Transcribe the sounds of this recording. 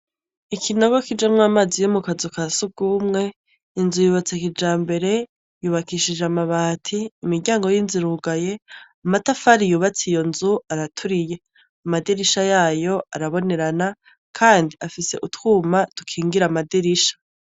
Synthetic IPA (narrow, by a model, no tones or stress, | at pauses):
ikʰinoɡo̞kid͡ʒamŋaːmaːzijomukazukasub̚ɡ̥umŋe̞ | inzujuːβat͡sekid͡ʒaːmbe̞ɾe̞ | juβakiʃid͡ʒamaβaːtʰiːmiɾɟaːŋɡo̞jinziɾuɡaje̞amatafaɾijuːβat͡sijo̞nzuaɾatʰuɾije̞ | amadiɾiʃajaːjo̞ʔaɾaβo̞ne̞ɾana | kʰaːndiafise̞ʔutwuːmatu̥kʰiːŋɡiɾamadiɾiʃḁ